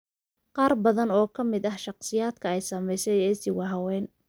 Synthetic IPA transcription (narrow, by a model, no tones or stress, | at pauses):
qɑːrbɐðɐnɔːkʰɐmɪd̪ɐhʃɑqsɪjaːd̪kʰɐɛjsɐmɛjsɛjɛːsɪwɑɦɐwɛːn